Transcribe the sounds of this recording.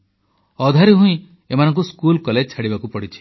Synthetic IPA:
ɔd̪ʱaɾiɦũĩ | emanɔ̃ŋk̬uskulkɔled͡ʒt͡ʃʰaɽibakupɔɽit͡ʃʰi̥

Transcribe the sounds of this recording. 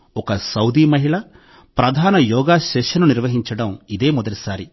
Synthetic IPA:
ɔkɐsɐwd̪iːmɐɦiɭɐ | pɾɐd̪ʱaːnɐjɔːɡaːʃɛʂɐnuniɾʋɐɦiɲt͡ʃɐɽɐmid̪e̞ːmɔd̪ɐʈisaːɾi

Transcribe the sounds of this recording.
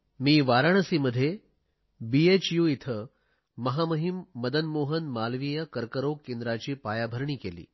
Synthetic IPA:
miːʋaɾaɳ̃əsiːməd̪ʱːje | biet͡ɕjuit̪ʰə | məɦaməɦimːəd̪ənmoɦənmalʋijəkəɾkəɾokːend̪ɾat͡ɕiːpajabʱəɾɳiːkelḭː

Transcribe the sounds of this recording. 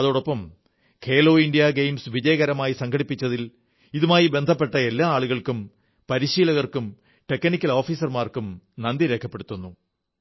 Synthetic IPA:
ɐðoːɽo̞pːɐm | kʰe̞ːlo̞ːinɖijɐɡejmsʋid͡ʑɐjɐɣɐɾɐmaːjisɐŋɡʰʱɐɽipːit͡ɕːɐðil | iðumaːjibe̞nd̪ʱɐpːe̞ʈːɐe̞lːaːaːɭuɣɐɭkum | pɐɾiɕiːlɐɣɐrkum | ʈe̞kːɐnikʲːɐlo̞ːfiːsɐrmaːrkumnɐnd̪iɾe̞ːkʰːɐpːe̞ɽut̪ːunːu

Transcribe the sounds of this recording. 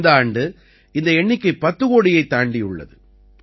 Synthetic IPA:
d̪aːɳɖɯ | ɪnd̪ɐɛɳːɪkːɯpɐt̪ːɯɣoːɽɪjɐɪt̪ːaːɳɖɪjɯɭːɐ̰ðɯ

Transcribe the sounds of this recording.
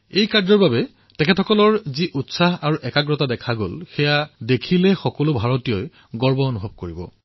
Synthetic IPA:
ejkaɹdzɔɹbabɛ | tɛkʰɛtʰɔkɔlɔɹziʔutsaɦaɹuʔɛkaɡɹɔtadɛkʰaɡolxɛjadekʰilɛxɔkɔlʊbʱaɹotijɔj | ɡɔɹbɔonubʱɔb̚koɹibɔ

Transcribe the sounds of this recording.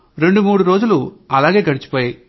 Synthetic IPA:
ɾe̞ɳɖumuːɽuɾo̞ːd͡ʒuluɐlaːɡe̞ːkɐɽit͡ʃi̥poːjaj

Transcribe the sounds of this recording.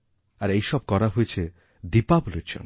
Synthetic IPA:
aɾejʃɔb̚kɔɾaɦojet͡ɕʰe | d̪ipablud͡ʑo̰n

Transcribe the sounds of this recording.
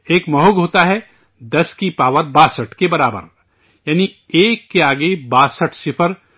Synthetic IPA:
eːkmɐɦoɡɦoːt̪aɦɛ | d̪ɐskipaːʋət̪̚baːsəʈkebɐɾaːbə̰ɾ | jaːni | eːkːeaːɡebaːsəʈʰsɪpʰəɾ

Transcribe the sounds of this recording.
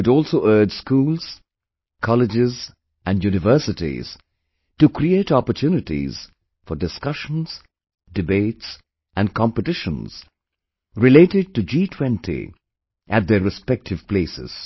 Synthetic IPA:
ʊɾɔːlˠsoʔɜːdskuːlˠz̥ | kʰɑlɪd͡ʒɪz | ʔæ̃njunɨvɜ˞sɨtḭz̥ | tukʰɾieɪtɔpətʰjuːnɨtḭz̥ | fɔdɪskʌʃə̃n̩z̥ | dɨbeɪts | æ̃nkʰɑ̃mpətɪʃə̰̃nz̥ | ɾɪleɪtɪd̚tud͡ʒiːtʰw̥ɛ̃ntʰḭ | ʔæt̚d̪əɾɨspɛk̚tʰɨv̥pleɪsɪ̰z̥

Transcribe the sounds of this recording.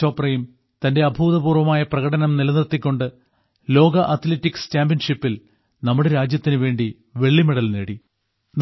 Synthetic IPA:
oːpːrɐjum | t̪ɐnde̞ɐbʱuːðɐbuːrʋɐmaːjɐprɐɣɐɽɐnɐmnilɐnirt̪ːikʲːo̞ɳɖɨ | lo̞ːɡɐʔɐt̪ʰleːtːikst͡ɕaːmbjɐnʂipːil | nɐmːuɽe̞ɾaːd͡ʑjɐt̪ːinɨʋe̞ːɳɖi | ʋe̞ɭːimeɽɐlneːɽi | n

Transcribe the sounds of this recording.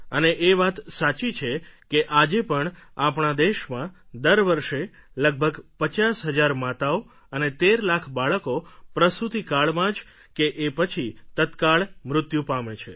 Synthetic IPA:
əneʔeʋat̪sat͡ʃit͡ʃʰekeʔad͡ʒepəɳapɳad̪eʃmãd̪əɾʋəɾʃe | ləɡ̚bʱəɡpət͡ʃasɦəd͡ʒaɾmat̪ao | ənet̪eɾlakʰbaɭəkopɾəsut̪ikaɭmãd͡ʒ | keʔepət͡ʃʰit̪ət̪kaɭmɾʊt̪jũpamet͡ʃʰe

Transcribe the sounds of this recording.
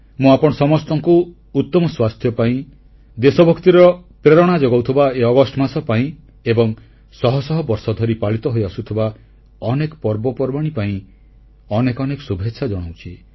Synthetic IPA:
mũapɔɽ̃ɔsɔmɔst̪ɔŋkuː | t̪ːɔmɔswast̪ʰjɔpaĩ | d̪esɔbʱɔkt̪iɾɔpɾeɾɔɽ̃ad͡ʒɔɡawt̪ʰibaeɔɡɔsʈɔmasɔpaĩ | ebɔŋ | sɔɦɔsɔɦɔbɔɾsɔd̪ʱɔɾipaɭit̪ɔɦojasut̪ʰiba | ɔnekɔ̥pɔɾbɔpɔɾbaɽ̃ipaĩ | ɔnekɔnekɔ̥subʱetːʃʰad͡ʒɔɽ̃awt͡ʃʰi

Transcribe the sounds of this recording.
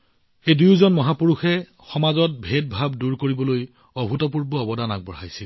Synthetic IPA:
ejdujzɔnmɔɦapuɹuxɛ | xɔmazɔt̚bʱet̚bʱabduɹkoɹibɔloj | ɔbʱutɔp̬uɹbɔɔbɔdanaɡ̚bɔɹajsil

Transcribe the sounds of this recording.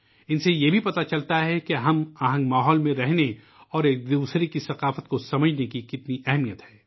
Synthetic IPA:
ɪnsejebʱipɐt̪at͡ʃɐlt̪aɦɛkeɦɐmaɦə̃ŋɡmaːɦɔːlmẽɾɛɦne | ɔːɾeːk̚d̪uːsɾekisɐqaːfət̪̚kosɐməd͡ʒʱnekikɪt̪niʔɛɦmijət̪hɛː

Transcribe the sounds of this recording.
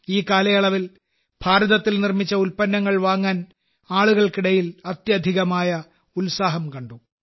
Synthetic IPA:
iːkaːlɐjɐɭɐʋil | b̥ʱaːɾɐðɐt̪ːilnirmit͡ɕːɐulpɐnːɐŋːɐɭʋaːŋːaːn | aːɭuɣɐɭkiɽɐjilɐt̪jɐd̪ʱiɣɐmaːjɐ | ulsaːɦɐmkɐɳɖu

